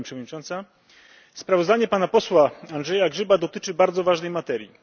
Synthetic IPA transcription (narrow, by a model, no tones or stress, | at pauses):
pʂɛvɔd̪ɲit͡ʂɔnt̪sa | spɾavɔzd̪aɲɛpanapɔswaandʐɛjaɡʐɘbad̪ɔt̪ɘt͡ʂɘbaɾd̪zɔvaʐnɛjmat̪ɛɾʲji